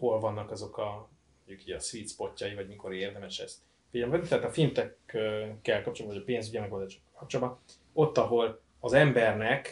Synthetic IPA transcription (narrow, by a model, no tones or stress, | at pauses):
ho̞lvɒnːɒkɒzo̞kɒ | moɲɟukiːɟɒsʋit̪spo̞cːɒjivɒɟmiko̞ɾeːrd̪ɛmɛʃɛ̰st̪ | fiɟɛlmɛd̪it̪aːt̪ɒfimt̪ɛkːkːɛlkɒp̚t͡ʃolbvɟɒpeːnzyɟimɛɡo̞ld̪aːʃo̥kːɒ̥lkɒp̚t͡ʃolbɒ | o̞t̪ːɒɦo̞l | ɒzɛmbɛrnɛk